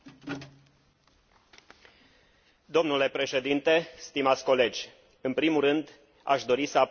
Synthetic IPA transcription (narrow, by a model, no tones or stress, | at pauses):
d̪o̞mnule̞pɾe̞ʃe̞d̪int̪e̞st̪imat̪sʲko̞le̞d͡ʒʲ | ɨnpɾimurɨnd̪ | a̰ʃd̪o̞ɾisəap